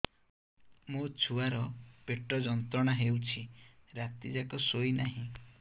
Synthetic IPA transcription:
mũt͡ʃʰuaɾɔpeʈɾɔd͡ʒɔnt̪ɾɔɽ̃aɦewt͡ʃʰiɾat̪id͡ʒakɔsoinaɦĩ

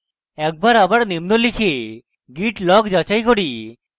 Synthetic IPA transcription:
ɛk̚baɾabaɾnimnolikʰe | ɡiʈlɔkd͡ʑat͡ɕajkoɽi

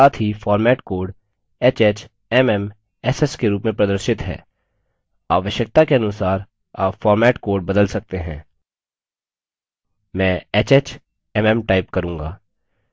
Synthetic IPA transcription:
aːt̪ʰɦifɔːɾmɛːʈkoːɾɖ | eːt͡ʃeːt͡ʃ | ɛmɛm | ɛːsɛskeɾuːpmẽpɾɐd̪əɾʃɪt̪ɦɛ̰ː | aːʋəʃjək̚t̪akeɐnʊsaːɾ | a̰ːpfɔːɾmɛːʈkoːɾɖ̚bɐd̪əlsɐk̚t̪eɦɛ̰̃ː | mɛ̃ːeːt͡ʃeːt͡ʃ | ɛmɛmʈaːɪpkɐɾũːŋɡa̰ː

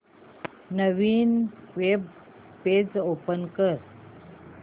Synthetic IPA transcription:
nəʋiːnʋeb̚ | ped͡zopənkəɾ

